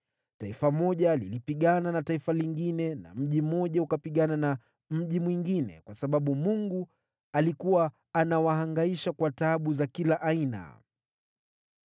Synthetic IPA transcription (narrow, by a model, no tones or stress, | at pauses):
taifamɔʄalilipiɠananataifaliŋɡinɛna̰m̩ʄim̩ɔʄaukapiɠanana | m̩ʄimwiŋɡinɛ̰kwasaɓaɓumuŋɡu | alikuwaː | nawaɦaŋɡaiʃakwataɓuzakilaʔaina̰